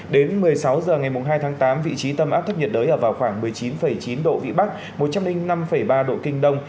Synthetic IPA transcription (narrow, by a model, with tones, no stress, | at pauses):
ɗe˨˦nmɨ˨˩əjsa˨˦wzəː˨˩ŋa˨˩jmʊ˨˩ŋ͡mɦaː˧jt̪ʰaː˨˦ŋt̪aː˨˦mvḭ˧˨t͡ɕi˨˦t̪ə˧mʔaː˦˥p̚t̪ʰp̚ɲə˨˩t̚ɗəː˨˦jʔəː˧˩vaː˨˩wxwaː˧˩ŋmɨ˨˩əjt͡ɕi˨˦nfə˧˩jt͡ɕi˨˦nɗo̰˧˨vḭ˧˨ɓa˦˥k̚ | mo˨˩t̚t͡ɕa˧mlï˧ŋ̟na˧mfə˧˩jɓaː˧ɗo̰˧˨kï˧ŋ̟ɗə˧wŋ͡m